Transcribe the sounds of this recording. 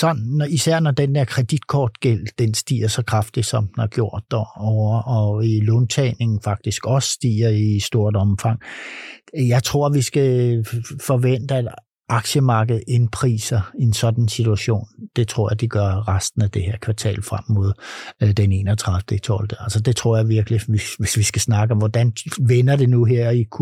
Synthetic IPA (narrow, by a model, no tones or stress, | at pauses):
sɒ̽n̰n̩ːɒisæɐ̰nɒd̥end̥eɐ̰kʰʁɛd̥id̥̚kʰɒːd̥ɡ̥el̰d̥ensd̥ḭːɐsɒ̽kʰʁɑ̈fd̥i̥sɒ̽m̰̥næɡ̥jo̝ɐ̰d̥ːɒɒʊɐʔɒ̽ilɔːnt͡sʰɛːne̝ŋn̩fɑ̈ɡ̥̚d̥isɡ̥ɒ̽ssd̥ḭːɐisd̥o̝ɐ̰d̥ɒ̽mfɑ̈ŋ̰ | jɑ̈ɪt͡sʰʁo̝ɐ̰ʋisɡ̥æ | fɒ̽ʋen̰d̥əæd̥ | ʔɑ̈ɡ̥ɕəmɑ̈ːɡ̥əð̞̩ˠe̝npʰʁḭːsɐiensɒ̽d̥ænsit͡suæɕo̝̰ːnd̥e̝t͡sʰʁo̝ɐ̰jɑ̈ɪd̥iɡ̥ɶɐʁasd̥n̩æd̥e̝heɐ̰kʰʋɑ̈t͡sʰɛ̰ːlfʁam̰mːo̝ð̞̰ˠd̥ene̝̰ːnɒt͡sʰʁɑ̈ðˠfd̥əit͡sʰɒld̥əælsɒd̥e̝t͡sʰʁo̝ɐ̰jɑ̈ɪʋiɐɡ̥əliʋiʋe̝sʋisɡ̥æsnɑ̈ɡ̥əɒ̽mʋɒd̥ænʋenɐd̥e̝nuɦeɐ̰ɒikʰu